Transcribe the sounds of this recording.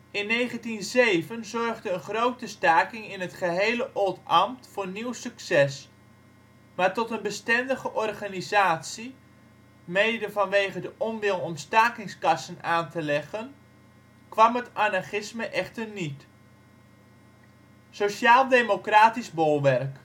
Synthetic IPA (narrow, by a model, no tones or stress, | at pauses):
ɪnːejχəntinzejvənzɔrχdəənχrowtəstaːkɪŋɪnɦətχəɦejləʔɔlˠtɑmtfʊːrniwsyksɛs | maːɹtɔtənbəstɛndəχəʔɔrχaːnizaːtsi | mejdəvɑnʋejχədəʔɔmʋɪlˠɔmstaːkɪŋskɑsənaːntəlɛχən | kʋɑmɦətanarχɪsməʔɛχtərnit | soʃaːlˠdemokraːtizbolˠʋɛrk